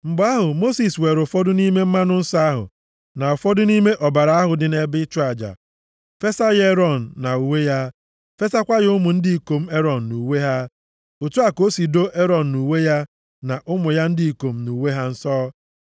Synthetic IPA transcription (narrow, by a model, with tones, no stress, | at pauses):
m̩˨ɡ͡ba˦ɦʊ˨mo˦si˨swe˨ɾʊ˨fɔ˦dʊ˦ni˦me˦m̩˦ma˦nʊ˦n̩˦sa˦a˦ɦʊ̰˨ | na˨ɔ˨fɔ˦dʊ˦ni˦me˦ʔɔ˨ba˨ɾa˨a˦ɦʊ˨dɪ˨ne˨bɪ˦t͡ʃʊ˦a˨d͡ʒa̰˨ | fe˦sa˦ɣe˦ɾɔ˨n̩ː˨a˨u˨we˦ja˦ | fe˦sa˦kʷa˦ɣɪ˨˦ʊ˦mʊ˨n̩˦dɪ˦i˨ko˨m̩˦e˦ɾɔ˨n̩˨nu˨we˦ɦa˦ | o˨tu˦a˨ko˦si˨do˦ʔe˦ɾɔ˨n̩˨nu˨we˦ja˦ | na˨ʔʊ˦mʊ˨ja˦n̩˦di˦i˨ko˨m̩˦nu˨we˦ɦa˦n̩˦sɔː˦